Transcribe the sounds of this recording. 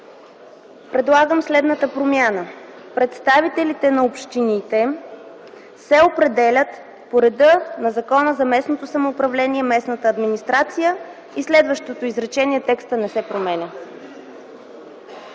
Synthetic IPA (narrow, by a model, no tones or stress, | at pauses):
pɾɛd̪lˠaɡəmslɛd̪nət̪əpɾomʲjanə | pɾɛt̪st̪avit̪ɛlit̪ɛnɐopʃt̪init̪ɛ | sɛopɾɛd̪ɛlʲət̪ | poɾɛd̪ɤnɐzɐkɔnəzɐmɛsnot̪osɐmoːpɾɐvlɛniɛmɛsnət̪əːd̪minist̪ɾat̪sijə | islɛd̪vəʃt̪ot̪oizɾɛt͡ʃɛniɛt̪ɛkst̪ənɛsɛpɾomɛnʲə